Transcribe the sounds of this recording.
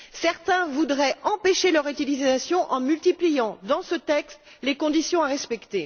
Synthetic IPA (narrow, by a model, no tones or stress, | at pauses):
sɛʁt̪ɛ̃vud̪ʁɛɑ̃peʃelœʁyt̪ilizasjɔ̃ʔɑ̃mylt̪iplijɑ̃d̪ɑ̃sət̪ɛkst̪ | lekɔ̃d̪isjɔ̃aʁɛspɛkt̪e